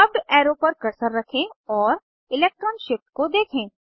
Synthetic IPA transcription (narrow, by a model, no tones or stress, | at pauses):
ɐb̚ɖɛːɾopɐɾkɐɾsəɾːɐkʰẽɔːɾ | ɪlɛːk̚ʈɾəːnʃɪfʈ̚kod̪eːkʰẽː